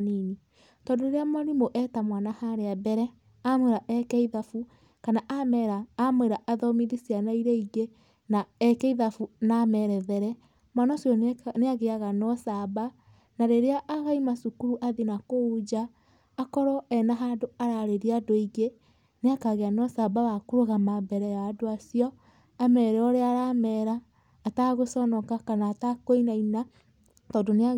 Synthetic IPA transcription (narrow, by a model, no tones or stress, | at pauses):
nini | tɔndoeɾeamaɾimoʔɛtamwanahaɾeabɛɾɛ | amweɾaʔɛkɛiðafu | kanaʔamɛɾaːmweɾaʔaðɔmiðisianaiɾɛiɡe | naɛkɛiðafunamɛɾɛðɛɾɛ | manɔsjɔneaɣeaɣanɔsaba | naɾeɾeaʔːɣaimasukuɾuʔaðinakoud͡ʒaː | kɔɾɔɛnaɦaːndoaɾaɾeɾeadoiɡe | neakaɣeanɔsabawakoɾoɣamabɛɾɛjadoasiɔ | amɛɾɛɔɾeaɾamɛɾaː | taɣosɔnɔkakanaːtakoinaina | t̪ɔdonea